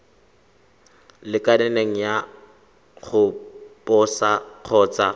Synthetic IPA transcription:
lɪkʼadɛneŋ̩ja | χʊpʼɔsaq͡χʰɔːt͡sʼa

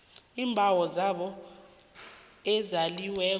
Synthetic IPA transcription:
iːmbʱawɔzaɓɔ | ɛzaliwɛː

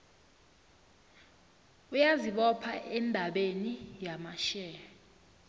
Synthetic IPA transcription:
ujaziɓɔpʰaʔɛndʱaɓenijamaʃɛːɔ

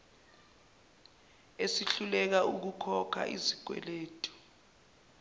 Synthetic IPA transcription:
esiɬulɛk̬auk̬ukʰɔkʰa̰ʔiziɡ̥ʱwɛ̰leːtʰʼu̥

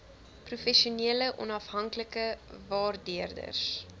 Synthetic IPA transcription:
prufɛʃuniələʔɔ̰nɐfɦɐŋkləkəvɑːrdiərdə̰rs

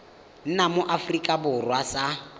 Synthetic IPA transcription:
n̩namʊʔafrikʼabʊrwasa

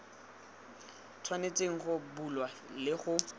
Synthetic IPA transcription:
tʰwanet͡sʼeŋ̩χʊbulwalɪχʊ

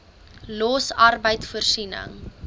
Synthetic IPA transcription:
lɔsɐrbəjtfərsinə̰ŋ

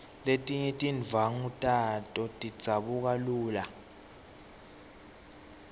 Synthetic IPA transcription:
letʼiɲɛtʼinvʱaŋutʼatʼɔtʼi̥d͡zʱaɓuk̬aluːla

